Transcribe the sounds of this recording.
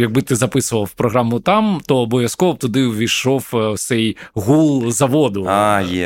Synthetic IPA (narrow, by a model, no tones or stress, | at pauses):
jɐɡ̚bɨt̪ɪzɐpɪsʊʋɐwpɾɔɣɾamʊt̪ɑmt̪ɔːbɔʋʲjɐskɔʋɔb̚t̪ʊd̪ɪʋʲiʃɔww̪sɛjɣulˠzɐʋɔd̪ʊajɛ